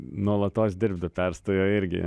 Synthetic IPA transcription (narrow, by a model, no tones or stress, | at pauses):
noːlˠɐt̪ɑːʃd̪ʲɪɾb̚d̪ɐpʲæɾst̪ojoːɪɾʲɡʲɪ̰